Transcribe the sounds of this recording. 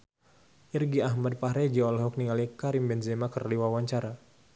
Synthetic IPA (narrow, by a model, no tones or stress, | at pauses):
ʔirɡiaɦmad̚paɦɾɛd͡ʒiɔlɦɔk̚niŋalikaɾimbɛnzɛmakərdiwawaɲt͡ʃaɾa